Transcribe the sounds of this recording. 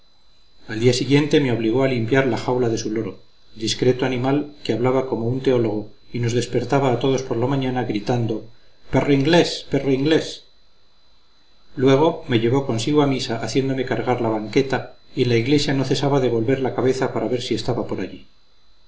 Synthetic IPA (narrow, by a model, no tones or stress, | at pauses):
ald̪iasiɣje̞nt̪e̞me̞o̞βliɣo̞alimpjaɾlaxawlaðe̞sulo̞ɾo̞ | d̪iskɾe̞t̪oanĩmalkeaβlaβako̞mount̪e̞o̞lo̞ɣ̞o̞ino̞zðe̞spe̞ɾt̪aβaːt̪o̞ð̞o̞spo̞ɾlamãɲanaɣɾit̪and̪o̞peroiŋɡle̞speroiŋɡle̞s | lwe̞ɣ̞o̞me̞ʎe̞βo̞ko̞nsiɣ̞oamisaʔaθje̞nd̪o̞me̞kaɾɣaɾlaβaŋke̞t̪aie̞nlaiɣle̞sjano̞θe̞saβaðe̞β̞o̞lβe̞ɾlakaβe̞θapaɾaβe̞ɾsie̞st̪aβapo̞ɾaʎi